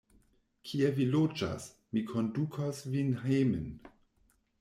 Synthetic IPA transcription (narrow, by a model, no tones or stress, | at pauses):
kʰievilod͡ʒa̰s | mikʰondukʰasvinhejmən